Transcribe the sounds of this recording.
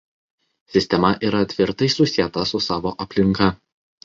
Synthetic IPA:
sʲɪsʲt̪ʲɛmɐʔiːɾɐt̪ʲʋʲɪɾt̪ɐɪsʊsʲijɛt̪ɐsʊsɑːʋoːʔɐpʲlʲɪŋˑkɐ

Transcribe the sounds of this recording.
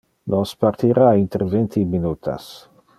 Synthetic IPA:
nospart̪iɾaint̪eɾvent̪ʰiminut̪ʰa̰s

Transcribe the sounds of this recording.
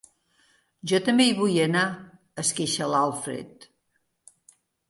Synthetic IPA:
ʒɔt̪əmbejβujəna | əskeʃəlalˠfɾḛt̪

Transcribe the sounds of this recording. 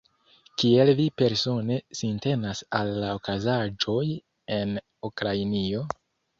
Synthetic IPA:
kie̞lvipe̞ɾso̞ne̞sinte̞nasalːaokazad͡ʒo̞j | e̞n | ukɾainio̞

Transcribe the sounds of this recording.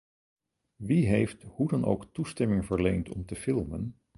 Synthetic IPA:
ʋiɦejfthudɑnʔo̰wktustɛmɪŋvəɹlejntɔ̰mtəfɪlˠmən

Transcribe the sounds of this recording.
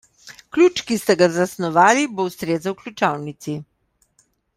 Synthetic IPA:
klʲuːt͡ʃkist̪ɛɡazasnɔʋaːlibowst̪ɾeːzawklʲut͡ʃawnit̪si

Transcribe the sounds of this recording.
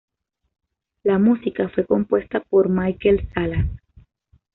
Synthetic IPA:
lamusikafwe̞ko̞mpwe̞st̪apo̞ɾmajkelsalas

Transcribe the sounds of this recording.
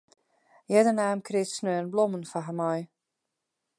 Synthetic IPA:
jɛdənaːmkʰrɪːtsnøːənblomənfaɦəmɔj

